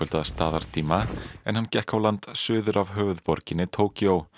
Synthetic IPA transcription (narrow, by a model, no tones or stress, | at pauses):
ʏlt̪aðst̪aːðaɾ̥t̪ʰiːmaɛ̰nhanːcɛhkawlant̪sʏːðʏɾavɦœːvʏðpɔɾcɪnɪt̪ʰoːwcow